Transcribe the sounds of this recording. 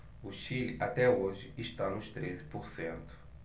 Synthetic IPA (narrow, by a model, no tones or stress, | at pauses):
uʃilat̪ɛoʒɪiʃt̪anʊʃt̪ɾezi̥puɾsẽnt̪ʊ̥